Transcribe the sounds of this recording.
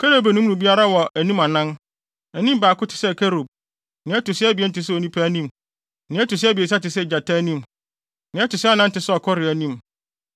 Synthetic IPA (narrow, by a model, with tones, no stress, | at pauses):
kʰɛ˦ɾo˨bæ˨nũ˦m˦nũ˨bi˦a˦ɾa˦wɔ˨æ˨nĩ˦mã˨nã˦n | æ˨nĩ˦m˦baː˨kʊ˦tʰɪ̥˨sɛ˦˨kʰæ˦ɾo˨b̚ | nɪ̃˨˦ɛ˦tʊ˨sɪ˦æ˦bi˨ɛ˦n̩˦tɪ˨s̬o˨nĩ˦pʰæ˦nĩ˦m | nɪ̃˨ɛ˦tʊ˨s̬ɪ˦æ˦bi˨e˨s̬a˦tɪ˨s̬ɛ˦˨d͡ʑa˨tʰa˦nĩ˦m | nɪ̃˨˦ɛ˦tʊ˨sɪ˦a˦nã˦n̩˦tɪ˨sɛ˦ɔ˨kʰɔ˦ɾɪ˨æ˨nĩ˦m